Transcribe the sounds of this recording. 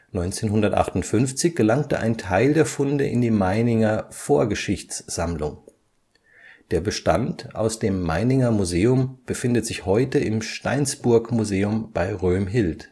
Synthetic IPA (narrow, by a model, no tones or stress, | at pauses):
nɔʏnt͡seːnɦʊndɐtʔa̰χtʊntfʏnft͡sɪçɡ̥əlaŋtəʔa̰ɪntʰaɪldeːɐfʊndəʔɪ̰ndiːmaɪnɪŋɐfoːɐɡəʃɪçt͡sz̥amlʊŋ | d̥eːɐbəʃta̰ntʔa̰ʊsd̥eːmːa̰ɪnɪŋɐmuzeːʊmb̥əfɪndətz̥ɪçhɔʏtəɪmʃta̰ɪnsb̥ʊɐkmuzeːʊmb̥aɪʁøːmɦɪlt